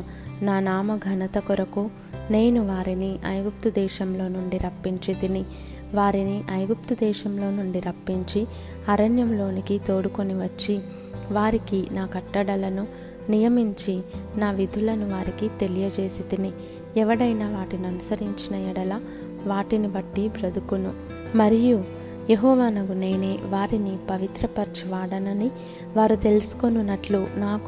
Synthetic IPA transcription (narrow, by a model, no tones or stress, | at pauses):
naːnaːmɐɡʱɐnɐt̪ɐkuɾɐku | ne̞ːnuʋaːɾiniʔɐ̰jɡup̚t̪ud̪ɛːʃɐmlo̞ːnuɳɖiɾɐpːiɲt͡ʃid̪ini | ʋaːɾiniʔɐjɡup̚t̪ud̪ɛːʃɐmlo̞ːnuɳɖiɾɐpːiɲt͡ʃi | ɐɾɐnjɐmlo̞ːnikit̪o̞ːɽuko̞niʋɐt͡ʃːi | ʋaːɾikinaːkɐʈːɐɽɐlɐnu | nijɐmiɲt͡ʃinaːʋid̪ʱulɐnuʋaːɾikit̪e̞lijɐt͡ʃe̞ːsid̪ini | ɛʋɐɽɐjnaːʋaːʈiniɐnusɐɾiɲt͡ʃinɐjiɽɐlaː | ʋaːʈinibɐʈːibɾɐd̪ukunu | mɐɾiju | jeɦɔːʋaːnɐɡuneːneːʋaːɾinipɐʋit̪ɾɐpɐɾt͡ʃiʋaːɽɐnɐni | ʋaːɾut̪e̞lusu̥ko̞nunːɐʈlunaːku